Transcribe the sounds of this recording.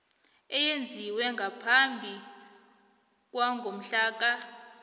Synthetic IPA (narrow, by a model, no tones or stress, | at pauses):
ɛjend͡zʱiwɛŋɡʱapʰambʱi | k̬ʼwaŋɡʱom̩ɬaːk̬a